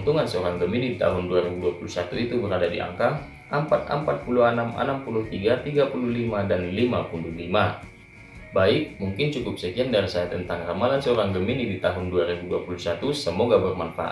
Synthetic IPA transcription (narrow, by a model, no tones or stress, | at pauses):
nt̪uŋansəoɾaŋɡəminidit̪a̰ɦʊnduaɾibuduapulusat̪uit̪ubəɾadadḭa̰ŋka | ʔəmpat̪̚ə̰mpat̪̚puluɦanama̰nampuluht̪iɡat̪iɡapuluhlimadanlimapund̪ulima | baɪk̚muŋkɪnt͡ʃukʊp̚səkiandaɾisajat̪ənt̪aŋramalansəoɾaŋɡəminidit̪aɦʊnduaɾibuduapulusat̪usəmoɡabərmanfa̰ʔa̰